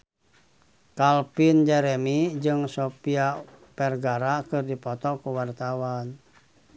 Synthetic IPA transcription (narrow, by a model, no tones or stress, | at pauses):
kalpind͡ʒɛɾɛmid͡ʒɨŋsopia | pɛrɡaɾakɨrdipɔt̪ɔkuwart̪awan